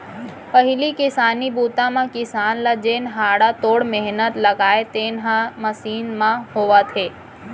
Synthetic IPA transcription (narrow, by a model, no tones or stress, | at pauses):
pɐɦɪlikɪsaːnibuːt̪ãmãkɪsaːnlɐd͡ʒeːnɦaːɽat̪oːɽmeɦnət̪lɐɡaːet̪eːnɦãmɐsiːnmãhoːʋat̪ʰeː